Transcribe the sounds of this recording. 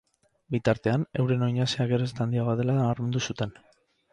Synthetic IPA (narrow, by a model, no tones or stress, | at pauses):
bit̪aɾt̪e̞ane̞wɾe̞no̞jɲaseakeɾest̪and̪iaɣðe̞laaɾme̞nd̪usut̪e̞n